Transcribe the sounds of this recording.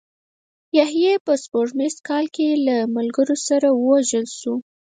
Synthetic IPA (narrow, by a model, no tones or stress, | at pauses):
jahjepəspoɾʈmest̪̚kɑlkelamalɡəɾosaɾawəwaʒəlʃu